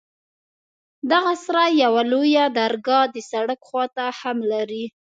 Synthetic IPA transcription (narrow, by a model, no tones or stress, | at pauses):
d̪aɣasaɾajawalojad̪aɾɡɑd̪əsaɽəkxwɑt̪ahamlaɾi